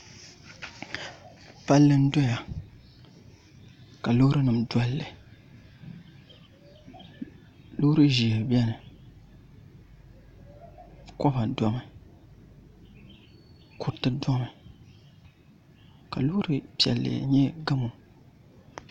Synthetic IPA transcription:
pa˦lːɨ˦n̩˦do˦ja˨ | ka˨lo˦ɾɨ˦nɨ˨mda˦lːɨ˨ | lo˦ɾɨ˦ʒi˨bjɛ˦nɨ˨ | kɔ˦ba˨da˦mɨ˨ | kʰu˨ɾtɨ˦da˦mɨ˨ | ka˨lo˦ɾɨ˨pɛ̰˨lːɨ̰˨ɲɛ˦ɡa˦mu˨

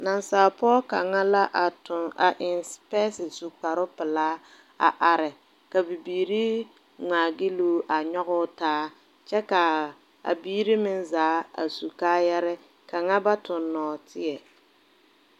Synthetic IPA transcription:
na˨nsaː˨pɔː˦ka˨ŋa˦la˦ʔtʊ˨a̰˨ʔɪ˨nspɛː˦sɪ˨su˨k͡pa˨ɾʊ˦pɪ˨laː˦ | a̰˨ʔa˨ɾɪ˨ | ka˨bi˨biː˨ɾi˦ | ŋ͡maː˨ɡɪ˦luː˦ʔa˨ɲɔ˦ɣʊ˦taː˦ | t͡ʃɛ˦ka˨ | a̰˨biː˦ɾi˦mɪ˦nzaː˨˦a̰˨su˨kaː˦jɛ˦ɾɛ˦ | ka˨ŋa˦ba˦tʊ˨nːɔː˨tʰɪ˦ɛ˨

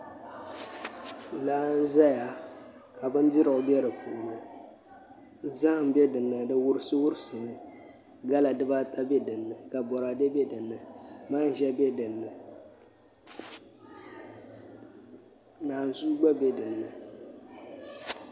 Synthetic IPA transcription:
laː˦n̩˦za˦ja˨ | ka˨bɨ˦n˦dɪ˦ɾɨ˨ʊ˨bɛ˦ɾɨ˨pu˨nɨ˨˦ | za˦hm˨bɛ˦dɨ˨nːɨ˨dɨ˦wʊ˦ɾɨ˦sɨ˦wʊ˦ɾsɨ˨n˦ | ɡa˦la˨dɨ˦ba˦ta˦bɛ˦dɨ˨nːɨ˨ka˨bɔ˨ɾa˨dɛ˦bɛ˦dɨ˨nːɨ˨ma˦n˨ʒɛ˦bɛ˦dɨ˨nːɨ˨ | naː˨n˨zuː˦ɡ͡ba˦bɛ˦dɨ˨nːɨ˨

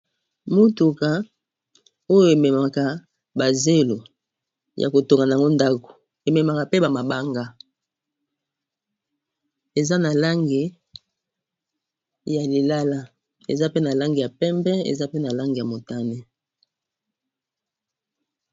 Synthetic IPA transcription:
mo˦tu˨ka˨ | o˦jo˨e˨mɛ˨ma˨ka˨ | ba˨ze˦lo˨ | jʔa̰˨ko˨to˨ŋɡa˨na˨a˨ŋɡo˦nda˦ko̥˨ | e˨mɛ˨ma˨ka˨pe˦ba˨ma˨ba˦ŋɡa˦ | e˨za˦na˨la˦ŋɡi˨ | ja˨li˨la˦la˦ | ḛ˨za˦pe˦na˨la˦ŋɡi˨ja˨pɛ˦mbɛ˦ḛ˨za˦pe˦na˨la˦ŋɡi˨ja˨mo˨ta˦ne˦

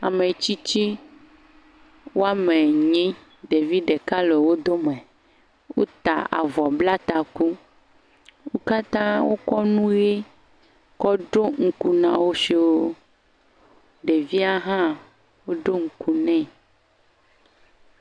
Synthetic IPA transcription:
a̰˨me˨t͡ɕi˦t͡ɕi˦ | wo˦a˦mẽ˨ɲĩ˦ | ɖe˨vi˦ɖe˨ka˦le˨wo˦d̪o˦mɛ̃˨ | wo˦t̪a˨a̰˨vɔ˨bla˦t̪a˨ku˦ | wo˦ka˦t̪ã˦wo˦kɔ˦nũ˦je˦ | kɔ˦ɖo˦ŋ̩˨ku˨nã˨wo˦ʃi˨wo˦ | ɖe˨vi˦a˦ɦã˦ | wo˦ɖo˦ŋ̩˨ku˨nɛ̃˦

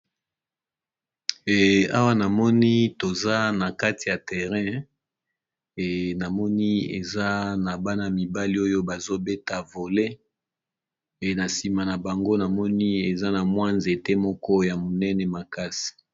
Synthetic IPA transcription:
a˦wa˦na˨mɔ˦ni˦to˨za˦na˨ka˦ti˨ja˨tɛ˨ʁɛ̃˦˨ | na˨mɔ˦ni˦ḛ˨za˦na˨ba˦na˨mi˨ba˦li˦o˦jo˦ba˨zo˦bɛ˦ta˨vo˨le˦ | e˨na˨si˨ma˨na˨ba˨ŋɡo˦na˨mɔ˦ni˦e˨za˦na˨mwa˦nze˨te˦mɔ˦kɔ˦ja˨mo˨nɛ˦nɛ˨ma˨ka˦si̥˨

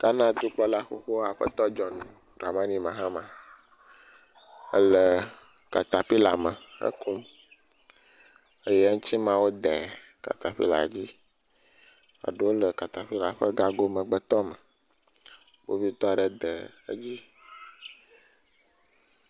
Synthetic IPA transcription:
ka˦nã˦d̪u˦k͡pɔ˦la˦xo˨xo˦a˨ɸə̰˦t̪ɔ˦d͡ʒɔ˨nũ˨ | ɾa˨mã˦nĩ˦mã˨ɦã˦mã˨ | ə̰˦lə˨ | ka˨t̪a˨ɸi˦la˨mə˨xə̰˦ku˦m | ə˦jɛ˦a˦ŋũ˦t͡ɕi˦mã˦wo˦d̪e˨ | ka̰˨t̪a˨ɸḭ˦la̰˨d͡ʑi˦ | a̰˨ɖe˨wo˦lə˨ka˨t̪a˨ɸi˦la˨ɸə˦ɡa˦ɡo˦mə̃˨ɡ͡bə˨t̪ɔ˦mə˨ | bo˦vi˦t̪ɔ˦a˨ɖə˨d̪ə˨ə̰˦d͡ʑi˦

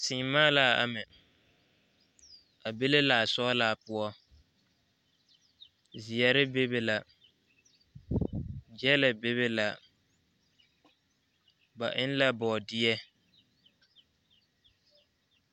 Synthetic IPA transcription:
sɪː˨mːaː˦la˨a̰˨mɛ˨ | a˨be˦le˦la˨sɔ˦la˨pʊ˦ɔ˦ | zɪ˨ɛ˨ɾɪ˦be˦be˨la˨ | d͡ʒɛ˦lɪ˨be˦βe˦la˨ | ba̰˨ʔɪ˦n˦la˦bɔː˨dɪ˦ɛ˦

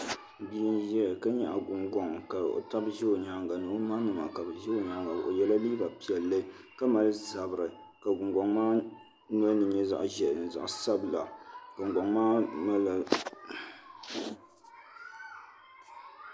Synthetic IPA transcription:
bi˦nʒɛ˦˨ka˦ɲɛ˦ʔa˨ɡʊ˨ŋɡɔ˨˦ŋka˨o̰˨ta˦bʒɛ˦o˨ɲa˦ŋɡa˨nɨ˨˦o˦ma˦nɨ˨ma˨ka˨bɛ˨ʒɛ˦o˨ɲa˦ŋɡa˨dʔo˨jɛ˦la˦li˦ba˨pi˨ɛ˨lːɨ˦ | ka˦ma˨lza˨bɨ˨ɾɨ˨ | ka˨ɡʊ˨ŋɡɔ˨ŋmaː˦ | n˦a˦nɨ˨ɲɛ˦za̰˨ʔʒɛ˦˨nɨ˨za̰˨ʔsa˦bla˨ɡ̥ʊ˨ŋɡɔ˨ŋmaː˦na˦la˨

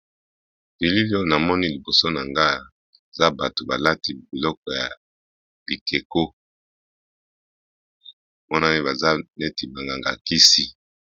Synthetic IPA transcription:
bi˨li˦li˦o˦na˨mɔ˦ni˦li˨bo˨so˦na˨ŋɡa˦ | e˨za˦ba˨to˨ba˨la˦ti˦bi˨lɔ˦kɔ˨ja˨ | bi˨kʰe˨ko˦˨ | mɔ˦na˦ni˦ba˨za˦ne˦ti˨ba˨ŋɡa˨ŋɡa˨ki˦si˦

